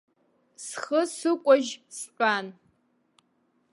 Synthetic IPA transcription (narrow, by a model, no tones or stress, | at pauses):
sχəsɨkʷʼɔʒsɕʷʼaːn